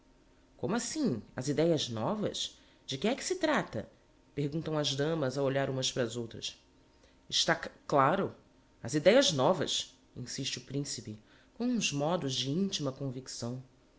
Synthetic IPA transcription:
kõmʊasĩɐ̰zid̪ɛjɐznɔvɐ̰z | d͡ʒɪkɪɛkɪ̥sɪt̪ɾat̪ɐ̰ | pehɡũnt̪ɐ̃w̃ɐzd̪ɐ̃mɐzɐoʎaɾũmɐspɾɐzowt̪ɾɐs | ɪʃt̪aklaɾʊ | ɐzid̪ɛjɐznɔvɐ̰s | ḭ̃siʃt͡ʃɪʊpɾĩsipɪ | kõw̃ũzmɔd̪ʊzd͡ʒɪĩt͡ʃimɐkõviksɐ̃w̃

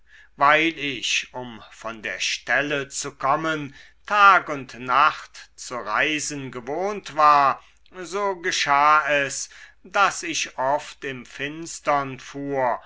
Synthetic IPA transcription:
vaɪlɪçʊmfɔndeːɐʃtɛlət͡sukʰɔmən | tʰaːkʊntnaχtt͡suʁaɪzən̩ɡəvoːntv̥aːɐ | zoːɡəʃaːɛsd̥asɪçʔɔftɪmfɪnstɐnfuːɐ

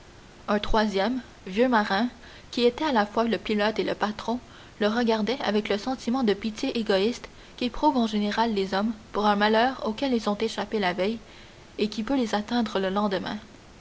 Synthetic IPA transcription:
ɛ̃t̪χwazjɛm | vjømaʁɛ̃ | kʲiet̪ɛalafwaləpilɔt̪eləpat̪χɔ̃ | ləʁəɡʲaʁd̪ɛa̰vɛkləsɑ̃t̪imɑ̃d̪əpit̪jeʔeɡɔist̪ | kʲepχuːvɑ̃ʒeneʁalːezɔmpuʁɛ̃malœːʁokʲɛlilzɔ̃t̪eʃapelavɛj | ekʲipølezat̪ɛ̃d̪ʁələlɑ̃d̪əmɛ̰̃

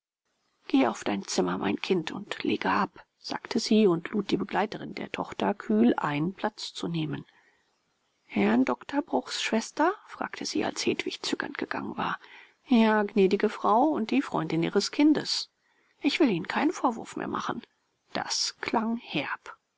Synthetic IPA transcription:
ɡ̥eːʔaʊfd̥aɪnt͡sɪmɐmʔa̰ɪnkʰɪntʰʊ̰ntlḛːɡəʔap | z̥a̰ːktʰəziːʊntluːt̚d̥iːbəɡlaɪtəʁɪndḛːɐtʰɔχtɐkʰyːlʔa̰ɪnənpʰl̥at͡st͡suneːmən | hɛɐndɔktʰɐbʁʊχsʃv̥ɛstɐfʁ̥a̰ːktʰəz̥ḭːa̰lsheːtv̥ɪçt͡sʏɡɐ̰ntɡ̥əɡ̥a̰ŋə̰nva̰ːɐ | jaːɡnɛːdɪɡəfʁ̥aʊʊnt̚d̥iːfʁ̥ɔʏndɪnʔiːʁəskʰɪndəs | ʔɪçv̥ɪliːnənkʰaɪnənfoːɐvʊɐfmḛːɐmʔa̰χn̩ | d̥a̰skʰlaŋhɛɐp

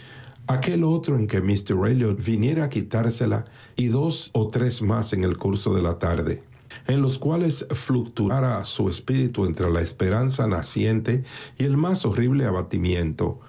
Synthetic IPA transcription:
ake̞lo̞t̪ɾoe̞ŋke̞mist̪eɾrejljoβinje̞ɾaːkit̪aɾse̞la̰ | iðo̞sot̪ɾe̞smase̞ŋe̞lkuɾso̞ðe̞lat̪aɾðḛ | enlo̞skwale̞sflukt̪uaɾasue̞spiɾit̪ue̞nt̪ɾelaespe̞ɾansanasje̞nt̪e̞ie̞lmaso̞riβle̞aβat̪imjẽ̞nt̪o̞̰

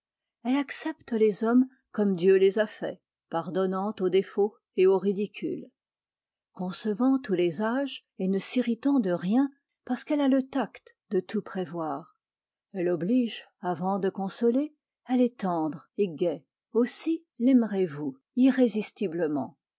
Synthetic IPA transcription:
ɛlaksɛpt̪lezɔm | kɔmd̪jølezafɛ̰ | paʁd̪ɔnɑ̃t̪od̪efo | eoʁid̪ikʲy̰l | kɔ̃səvɑ̃t̪ulezaʒ | enəsiʁit̪ɑ̃d̪əʁjɛ̃ | paʁskɛlalət̪akt̪d̪ət̪upχevwaːʁ | ɛlɔbliʒavɑ̃d̪əkɔ̃sɔle | ɛlɛt̪ɑ̃d̪ʁeɡʲɛ | osi | lɛmʁevu | iʁezist̪ibləmɑ̰̃

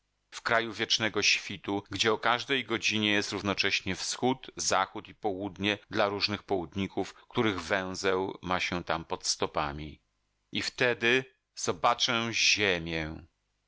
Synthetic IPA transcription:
fkɾajuvʲjɛt͡ʂnɛɡɔɕfʲit̪uɡd͡ʑɛɔkaʐd̪ɛjɡɔd͡ʑiɲɛjɛst̪ɾuvnɔt͡ʂɛɕɲɛfsxut̪zaxut̪ipɔwud̪ɲɛd̪laɾuʐnɘxpɔwud̪ɲikufkt̪uɾɘɣvɛ̃w̃zɛwmaɕɛt̪ampɔt̪st̪ɔpamʲi | ift̪ɛd̪ɘ | z̥ɔbat͡ʂɛ̃ʑemʲjɛ

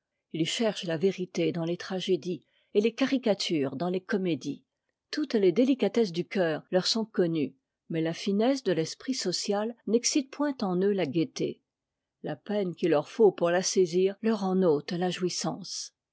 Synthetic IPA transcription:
ilʃɛʁʃlaveʁit̪ed̪ɑ̃let̪χaʒed̪i | elekaʁikat̪ʰyːʁd̪ɑ̃lekɔmed̪i | t̪ut̪led̪elikat̪ɛs̬d̪ykʲœːʁlœʁsɔ̃kɔny | mɛlafinɛsd̪əlɛspχisɔsjalnɛksit̪̚pwɛ̃t̪ɑ̃nølaɡet̪ḛ | lapɛnkʲilœʁfopuʁlaseziːʁlœʁɑ̃not̪laʒwisɑ̃s

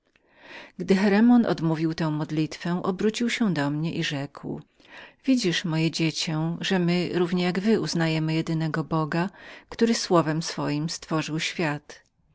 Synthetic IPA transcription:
ɡd̪ɘxɛɾɛmɔnɔ̰d̪muvʲiwt̪ɛ̃w̃mɔd̪lʲit̪fɛ̃ʔɔbɾut͡ɕiwɕɛd̪ɔmɲɛʔiʐɛkw | vʲid͡ʑiʂmɔjɛd͡ʑet͡ɕɛʐɛmɘɾuvɲɛjaɡvɘuznajɛmɘjɛd̪ɘnɛɡɔbɔɡakt̪uɾɘswɔvɛmsfɔjimst̪fɔʐɘwɕfʲjat̪

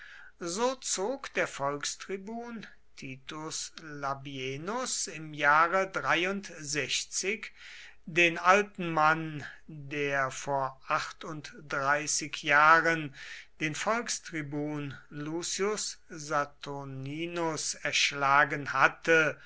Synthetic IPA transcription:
zoːt͡soːkd̥eːɐfɔlkstʁ̥ibuːn | tʰiːtʊslabienʊsɪmjaːʁədʁaɪʊntzɛçt͡sɪk | deːnʔaltn̩mandeːɐfoːɐʔaχtʊntd̥ʁaɪsɪkʰjaːʁənd̥eːnfɔlkstʁ̥ibuːnluːsiʊszatʰoniːnʊsɛɐʃlaːɡənhatə

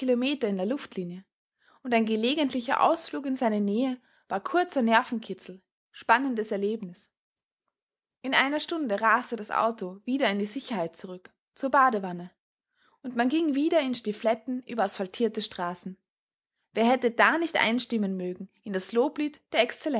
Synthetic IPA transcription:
ilomeːtɐɪndeːɐlʊftʰliːnjə | ʊntaɪnɡəleːɡəntlɪçɐ̰ʔa̰ʊsfluːk̬ɪnzaɪnəneːə | v̥aːɐkʰʊɐt͡sɐnɛɐfn̩kʰɪt͡sl̩ | ʃpanəndəsɛɐleːbnɪs | ʔɪnʔa̰ɪnɐʃtʊndəʁaːstədasʔa̰ʊtov̥iːdɐɪndiːzɪçɐhaɪt̚t͡suʁʏk | t͡suːɐbaːdəvanə | ʔʊntmanɡɪŋviːdɐɪnʃtiflɛtn̩ʔy̰ːbɐasfaltʰiːɐtəʃtʁ̥aːsn̩ | veːɐɦɛtədaːnɪçtʔa̰ɪnʃtɪmənmøːɡŋ̩ | ɪnd̥asloːpliːtd̥eːɐɛkst͡sɛlɛ

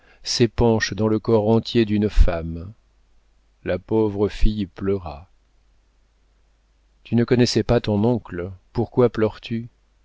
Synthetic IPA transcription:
sepɑ̃ʃd̪ɑ̃ləkɔʁɑ̃t̪jed̪ynfam | lapovʁəfijplœʁa | t̪ynəkɔnɛsɛpat̪ɔ̃nɔ̃klpuʁkwaplœʁt̪ʰy

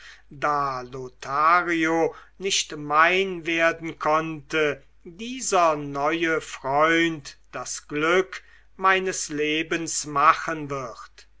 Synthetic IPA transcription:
daːlotʰaːʁionɪʃtmaɪnveːɐdn̩kʰɔntə | diːzɐnɔʏəfʁ̥ɔʏntd̥asɡ̥lʏk | maɪnəsleːbənsmaχənvɪʁt

